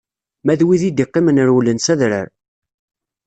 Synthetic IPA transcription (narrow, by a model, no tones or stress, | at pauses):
mæðwiðid̪iqːimənəɾulənsæðɾə̰ɾ